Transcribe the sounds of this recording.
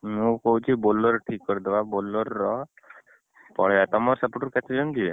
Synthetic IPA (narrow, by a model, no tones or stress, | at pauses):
mũkɔɦut͡ʃʰibolɔɾʈʰikːɔɾid̪ebabolɔɾɔ | pɔ̰ɽ̤eat̪ɔmɔɾsɔpoʈɔɾket̪ʰed͡ʒɔnd͡ʒ̪ie